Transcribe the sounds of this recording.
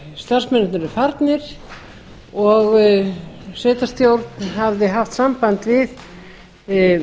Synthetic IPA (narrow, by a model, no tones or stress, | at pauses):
st̪ar̥smɛnt̪naɾɪɾfaɾt̪nɪɾ̥ | ɔɣ | sɛːt̪ast̪jowɾt̪nhavðɪɦaft̪sampant̪vɪð